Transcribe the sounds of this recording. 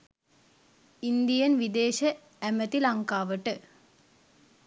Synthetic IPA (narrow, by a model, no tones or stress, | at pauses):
ind̪ijənʋid̪eːʃə | æmət̪ilaŋkaːʋəʈə